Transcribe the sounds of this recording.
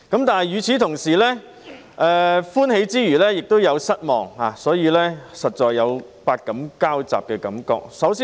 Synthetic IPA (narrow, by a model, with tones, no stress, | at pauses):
kɐ˨˥mt̪aː˨n˨jyː˨˩t͡sʰiː˨t̪ʰʊ˨˩ŋsiː˨˩lɛː˥ | ʔɛː˨fuː˥nɦe˨˥jt͡siː˥jyː˨˩lɛː˥jɪ˨k̚t̪o˥wjɐ˨˧wsɐ˥t̚mɔ̰ː˨˩ŋhaː˨sɔː˨˥jiː˨˧lɛː˥sɐ˨t̚t͡ʃɔː˨jːɐ˨˧w | paː˧t̚kɐ˨˥mkaː˥wt͡sa̰ː˨p̚kɛː˧kɐ˨˥mkɔ̰ː˧k̚sɐ˨˥wsiː˥